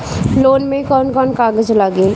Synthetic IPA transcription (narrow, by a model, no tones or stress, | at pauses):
loːnmẽkɔːnkɔːnkaːɡəd͡ʒlaːɡeː